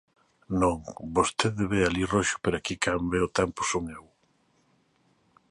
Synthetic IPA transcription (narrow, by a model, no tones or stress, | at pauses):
nõŋbost̪eðeβealiroʃʊ̥peɾakikambeot̪ɛmpʊ̥soŋew